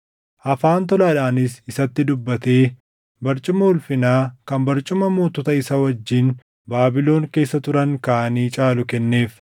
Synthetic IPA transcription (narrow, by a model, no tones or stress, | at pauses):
ʔɐfaːnt̪ɔlaːᶑaːnɪsɪsɐt̪ːɪd̪ʊbːɐt̪e̞ː | bɐɾt͡ʃʼʊmɐʊlfɪnaːkɐmbɐɾt͡ʃʼʊmɐmuːt̪ɔt̪ɐɪsɐwɐd͡ʒːiːn | baːbɪlo̞ːŋke̞ːsːɐt̪ʊɾɐŋkɐʔɐniːt͡ʃʼaːlʊkɛnːe̞ːf